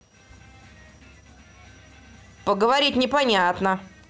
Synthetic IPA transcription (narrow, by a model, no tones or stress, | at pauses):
pəɡəvɐɾʲitʲnʲɪpɐnʲat̪nə